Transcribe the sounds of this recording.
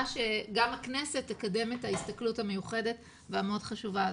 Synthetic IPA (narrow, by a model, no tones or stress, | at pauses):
ʃeɡamakne̞se̞tːekade̞methaist̪akluthame̞juχe̞de̞t | veameo̞dχaʃuva